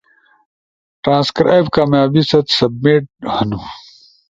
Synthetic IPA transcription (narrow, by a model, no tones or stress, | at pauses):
ʈɾãːnskɾa̰jbkaːmjaːbisɐt̪sɐb̚meʈ̚hɐnu